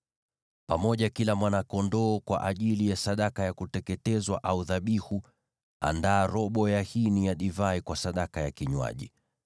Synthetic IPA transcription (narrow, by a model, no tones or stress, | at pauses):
pamɔʄakilamwanakɔndɔːkwa̰ʔaʄilijasaɗakajakutɛkɛtɛzwa̰ʔauðaɓihu | a̰ndaːɾɔɓɔjahinijaɗivaikwasaɗakajakiɲwa̰ʄi